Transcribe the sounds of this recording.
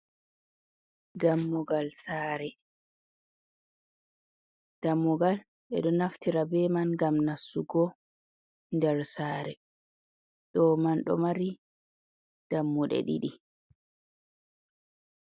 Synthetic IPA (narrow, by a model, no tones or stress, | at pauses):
ɡamːɔɡalsaːɾɛ | d̥amːɔɡal | ɓɛ̰ɗɔnaftiɾabɛmanɡamnasːuɡɔ | ndɛɾsaːɾɛ | ɗɔmanɗɔ̰maɾi | d̥amːuɗɛ̰ɗḭɗi